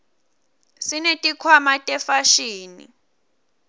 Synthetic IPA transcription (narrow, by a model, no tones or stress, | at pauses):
sinetʼikʰwamatʼɛfaʃiːnḭ